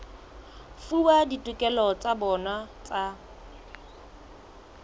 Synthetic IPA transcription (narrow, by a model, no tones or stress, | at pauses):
fuwaditʼʊkʼɛlɔt͡sʼabɔnat͡sʼa